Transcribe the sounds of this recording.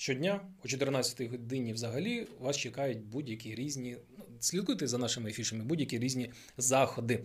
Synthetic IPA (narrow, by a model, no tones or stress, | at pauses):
ʃt͡ʃɔdʲnʲaɔt͡ʃɔt̪ɪrnɑt͡sʲɐ̥t̪ɔjɦɔd̪ɪnʲiwzɐɦɐlʲiʋɑst͡ʃekɑjʊt̚ʲbudʲjɐkʲiɾʲizʲnʲinusʲlʲid̪kujt̪ɪzɐnɑʃɪmɪefʲiʃɐmɪbudʲjɐkʲiɾʲizʲnʲi | zɑxɔd̪ɪ